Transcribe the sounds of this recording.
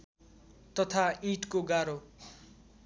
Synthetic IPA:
t̪ʌt̪ʰaiʈkoɡaɾo

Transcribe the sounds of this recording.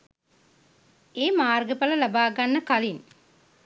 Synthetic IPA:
eːmaːrɡɐpɐlɐlɐbaːɡɐnːɐkɐlin

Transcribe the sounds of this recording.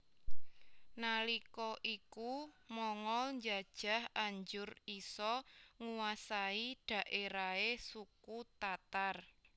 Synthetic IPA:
nalikɔʔikumɔŋɔlɲd͡ʒad̥ʒ̥a̤haɲd͡ʒʊrisɔŋuwasaiɖ̥a̤ʔeɾaesukut̪at̪ar

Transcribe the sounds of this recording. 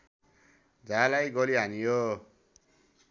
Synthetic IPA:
d͡zalajɡʌliɦanijo

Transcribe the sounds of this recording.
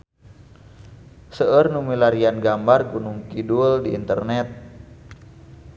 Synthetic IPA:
səərnumilaɾianɡambarkunuŋkiduldḭːnt̪ərnɛt̪̚

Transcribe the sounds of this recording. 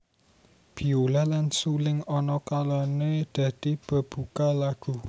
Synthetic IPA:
b̥i̤olalansulɪŋɔnɔkalɔned̪̥ä̤d̪̥i̤b̥ə̤b̥ukalaɡ̥ṳ

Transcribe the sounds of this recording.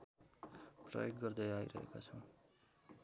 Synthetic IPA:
pra̰jek̚ɡʌɾd̪ʌjaḭɾʌ̰ɦḛka̰t͡sʰʌ̃

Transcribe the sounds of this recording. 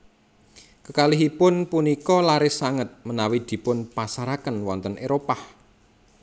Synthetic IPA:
kəkalɪɦipʊnpunikɔlaɾɪsaŋət̪̚mənawid̪̥i̤pʊnpasaɾakənwɔnt̪ənʔeɾopah

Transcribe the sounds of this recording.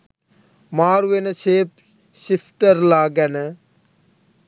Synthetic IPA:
maːɾʋenseːp | ʃɪpʰʈəɾlaːɡɛn

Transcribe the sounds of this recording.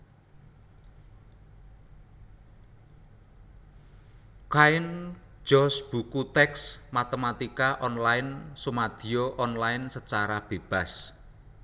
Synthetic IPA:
kaɪn̥d͡ʒ̥ɔ̤sb̥ukut̪ɛksmat̪emat̪ikaʔɔnlaɪnsumad̪̥i̤oʔɔnlaɪnsət͡ʃaɾab̥e̤b̥a̤s

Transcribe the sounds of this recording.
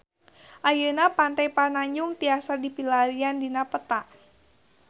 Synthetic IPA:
ʔajənapant̪ajpanaɲd͡ʒuŋt̪iasadipilaɾiandinapət̪aʔ

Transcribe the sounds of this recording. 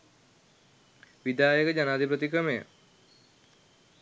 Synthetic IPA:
ʋid̪aːjəkəd͡ʒanaːd̪ipət̪ikɾəmejə̰

